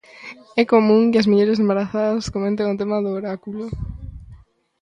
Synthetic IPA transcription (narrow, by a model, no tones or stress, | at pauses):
ɛkomũŋkɪɐsmiʎeɾɪsembaɾaθaðɐskomẽnt̪̬eŋʊt̪emaðʊːɾakulo